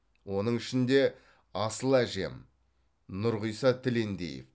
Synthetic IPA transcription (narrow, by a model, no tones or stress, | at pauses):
wo̞nəɴɪʃɪnd̪e̞ | ɑsəlˠæʒe̞̰m | nʊɾʁəjsɑt̪ʰɪle̞nd̪ḛjḛf